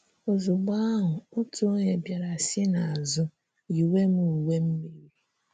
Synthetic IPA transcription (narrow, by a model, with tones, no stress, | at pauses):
ʊ˨zʊ˨ɡ͡ba˦a˦ɦʊ˨ʊ˦tu˦o˦ɲe˨bja˨ɾa˨sɪ˦na˨a˨zʊ˦ | i˨we˦mu˦u˨we˦m̩˦mi˦ɾi˨